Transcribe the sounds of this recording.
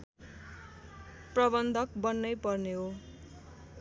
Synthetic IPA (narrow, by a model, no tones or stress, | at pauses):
prʌbʌnd̪ʱʌk̚bʌnːʌjpʌrneɦo